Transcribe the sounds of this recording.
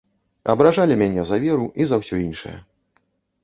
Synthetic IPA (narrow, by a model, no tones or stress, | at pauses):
ɐ̰bɾaʐalʲimʲanʲɛzɐvʲɛɾuʔizɐwsʲɔinʂɨ̰jɐ̰